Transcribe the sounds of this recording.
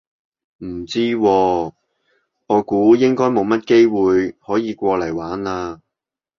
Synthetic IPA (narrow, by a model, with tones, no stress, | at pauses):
m̩˨˩t͡siː˥wɔː˧ | ŋɔː˨˧kuː˨˥jɪ˥ŋkɔː˥jmo˨˧wmɐ˥t̚ke˥jwuː˨jhɔː˨˥jiː˨˧kʷɔː˧lɐ˨˩jwaː˨˥naː˧